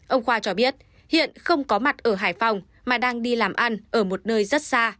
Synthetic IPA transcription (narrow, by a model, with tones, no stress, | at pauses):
ʔə˧wŋ͡mxwaː˧t͡ɕɔ˧ɓi˦˥ət̚ | hḭ˧˨ənxə˧wŋ͡mkɔ˨˦ma˨˩t̚ʔəː˧˩ɦaː˧˩jfa˨˩wŋ͡m | maː˨˩ɗaː˧ŋɗi˧laː˨˩mʔa˧nʔəː˧˩mo˨˩t̚nəː˧jzə˦˥t̚saː˧